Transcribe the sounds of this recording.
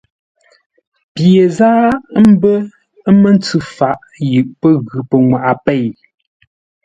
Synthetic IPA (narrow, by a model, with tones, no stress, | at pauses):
pje˨zaː˦m̩˦bə˦ | mə˦n˦t͡sʉ˦fa˨ʔ | jɯ˨ʔpə˦ɣʉ˨pə˨ŋwa˨ʔa˨pe˦˨j